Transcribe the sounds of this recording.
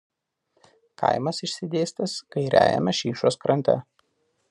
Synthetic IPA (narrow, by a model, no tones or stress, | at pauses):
kɐ̰ɪmɐsɪʃʲsʲɪd̪ʲeːsʲt̪ɐskɐɪɾʲʔæ̰ːjɛ̰mʲɛʃʲiːʃuːskɾɐnʲt̪ʲɛ̰